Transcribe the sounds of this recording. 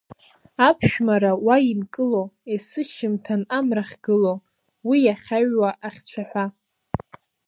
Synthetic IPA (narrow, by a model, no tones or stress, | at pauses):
apʰʃᶣmaɾawainkʼɨloesɨʃɪmtʰanamraχʲɡɨlo | wijaχʲaɥwaʔaχʲt͡ɕʷʰaħʷa